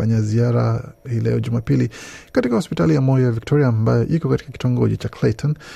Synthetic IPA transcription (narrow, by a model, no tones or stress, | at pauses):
aɲaziaɾa̰hilɛ̰ɔʄumapilikatikahɔspitalijamɔjiavik̚tʰɔɾiaːmbajɔʔikɔkati̥kaki̥tɔŋɡɔʄɛt͡ʃaklatʰɔn